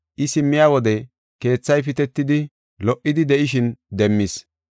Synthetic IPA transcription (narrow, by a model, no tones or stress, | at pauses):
ʔɪsɪmːɪjaːwɔd̪ɛ | ke̞ːt͡sːɐjpɪt̪ɛt̪ːɪd̪ɪ | lɔʔːɪd̪ɪd̪ɛʔɪʃɪnd̪ɛmːis